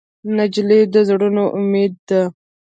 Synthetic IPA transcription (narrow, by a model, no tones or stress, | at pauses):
nɐd͡ʒled̪əzɽunoʔʊmeːd̪̚ːa